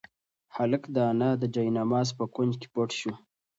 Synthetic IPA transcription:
haləkd̪ɑːnad̪əd͡ʒajnamɑːzpəkwʊnd͡ʒke̥poʈʃu

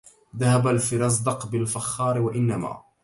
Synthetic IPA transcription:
ðahabalfɪɾɑs̬ˤd̪ɑqbɪlfaxːɑːɾwaʔɪnːama̰ː

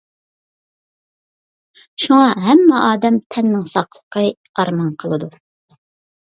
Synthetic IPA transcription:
ʃuŋɑɦɛmːɛʔɑːd̪ɛmt̪ʰɛnːɪŋsɑqlˠəqʰə | ɑɾmɑnqʰəlˠɨd̪u

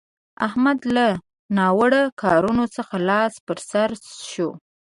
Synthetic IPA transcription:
a̰hmad̪la | nɑwəɽakʰɑɾunot͡səxalɑspəɾsaɾsʃo

